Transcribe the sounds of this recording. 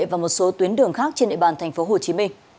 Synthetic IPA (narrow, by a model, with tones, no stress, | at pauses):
vaː˨˩mo˨˩t̚so˨˦t̪wi˨˦ənɗɨ˨˩əŋxaː˦˥k̚t͡ɕe˧nɗḛ˧˨ɓaː˨˩nt̪ʰɛ˨˩ŋ̟fo˨˦ɦo˨˩t͡ɕi˨˦mï˧ŋ̟